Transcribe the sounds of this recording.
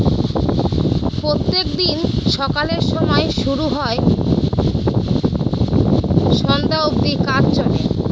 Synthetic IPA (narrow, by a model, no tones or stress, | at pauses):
pɾot̪ːekd̪inʃɔkaleɾʃɔmɔeʃuɾuɦɔe | ʃɔnd̪aub̚d̪ikaɾt͡ɕɔne